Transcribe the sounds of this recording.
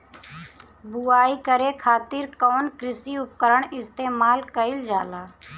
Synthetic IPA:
bʊaːikəɾekʰaːt̪ɪɾkɔːnkɾɪsiʊp̚kəɾəɳ̃ɪst̪eːmaːlkəɪld͡ʒaːlaː

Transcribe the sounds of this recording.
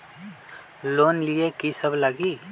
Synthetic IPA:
loːnliekisəblaɡi

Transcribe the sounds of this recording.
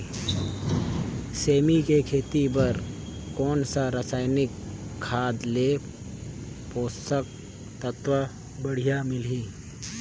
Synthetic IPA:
seːmikekʰeːt̪ibɐɾkɔːnsaɾəsaːɪnɪkʰːaːd̪leː | poːst̪ək̚ | t̪ət̪ʋə | bɐɽ̤ijamɪlɦiː

